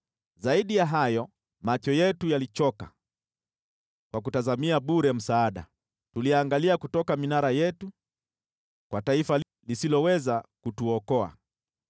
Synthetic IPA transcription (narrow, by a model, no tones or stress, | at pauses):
zaiɗijaɦajɔ | mat͡ʃɔjɛtujalit͡ʃɔka | kwak̬utazamiaɓuɾɛm̩saːɗa̰ | tuliaŋɡaliakutɔkaminaɾajɛtu | kwataifa | lisilɔwɛzakutuɔkɔa̰